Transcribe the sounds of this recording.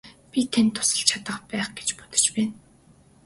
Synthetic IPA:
pʲit̪ʰent̪ʰːʊ̥sə̆ɬt͡ɕʰat̪ə̆χpæːχɡet͡ɕpʊ̥t̪ə̥̆t͡ɕpæːn

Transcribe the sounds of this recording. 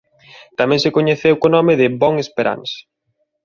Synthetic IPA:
t̪amɛ̃ŋsɪkoɲeθewkonɔmɪðɪbɔŋespeɾa̰ns

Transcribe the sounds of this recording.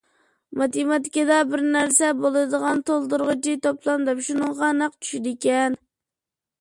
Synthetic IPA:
mɑt̪imɑt̪ɪ̥kʲid̪ɑbɪɾnæɾsɛbolˠɨd̪əʁɑnt̪olˠd̪uɾʁət͡ʃit̪oplˠɑnd̪ɛpʃunɨŋʁɑnɑqt͡ʃʰy̥ʃid̪ɪkʲɛn

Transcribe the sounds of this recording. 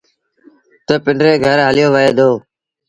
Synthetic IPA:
t̪əːpɪɳɖɾeːɡʱəɾɦəlɪjoːʋəɦeːd̪oː

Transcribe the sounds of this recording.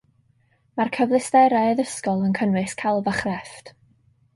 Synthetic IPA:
markʰəvlˠɪstɛɾaəðəskɔlˠənkʰənwɨskʰalˠvaχrɛft

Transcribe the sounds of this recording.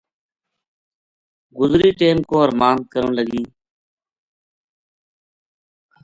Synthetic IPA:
ɡʊzɾiːʈeːmkõːəɾmaːnt̪̚kəɾə̰̃ːləɡiː

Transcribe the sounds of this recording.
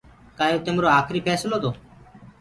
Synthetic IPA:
kaːjot̪eːmɾoːaːkʰɾiːpʰɛːsloːd̪oː

